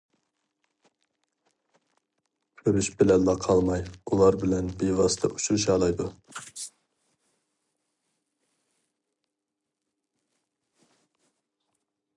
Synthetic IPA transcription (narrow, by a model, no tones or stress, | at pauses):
kʲʰøɾyʃbɪlɛlːɑqʰɑlˠmɑjulˠɑɾbɪlɛnbevɑst̪ʰɑʔut͡ʃʰuɾuʃɑːlˠɑjd̪u